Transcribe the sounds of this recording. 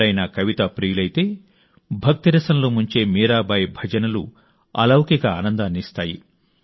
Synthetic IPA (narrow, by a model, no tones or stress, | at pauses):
ɐjnɐkɐʋit̪aːpɾiːjulɐjt̪e̞ː | bʱɐk̚t̪iɾɐsɐnloːmuɲt͡ʃe̞ːmiːɾaːbɐːjbʱɐd͡ʒɐnɐlṵ | ɐ̰lɐwkikɐaːnɐnd̪aːnist̪aːji